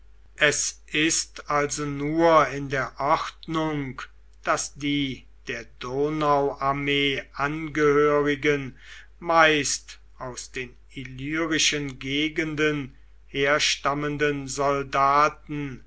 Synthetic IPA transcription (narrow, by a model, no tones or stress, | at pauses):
ʔɛsʔɪstalzonuːɐɪndeːɐʔɔχtnʊŋk | d̥asd̥iː | d̥eːɐdoːnaʊʔaɐmeːʔanɡəhøːʁɪɡən | maɪst | aʊsd̥eːn | ilyːʁɪʃənɡeːɡəndən | heːɐʃtaməndənzɔldaːtn̩